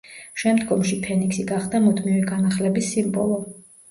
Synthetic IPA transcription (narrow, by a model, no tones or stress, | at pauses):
ʃɛmd̪ɡɔmʃipʰɛniksiɡaχd̪amud̪ʰmivɛɡanaχlɛbisːimbɔ̰lˠɔ